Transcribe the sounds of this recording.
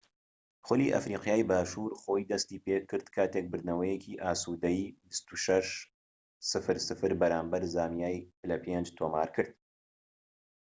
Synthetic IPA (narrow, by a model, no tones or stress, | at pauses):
xʊliʔɐ̰fɾiːqjaːjbaːʃuːɾχo̞ːjd̪ɐst̪iːpeːkʰːɨɾd̪kʰaːt̪ek̚bɨɾd̪nɐwɐjɛcʰiːʔaːsuːd̪ɐjbist̪uʃɐʃ | sɨfɨɾsɨfɨɾbɐɾaːmbɐɾzaːmijaːjpɨlɐpʰend͡ʒt̪ʰoːma̰ːɾkʰɨɾd̪̥̚